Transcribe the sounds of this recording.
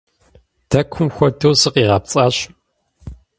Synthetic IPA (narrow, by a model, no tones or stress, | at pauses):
d̥ɐkʷʰʊmxʷɔdʰɐwsɨqʼiːʁɐp̚t͡sʼaːɕ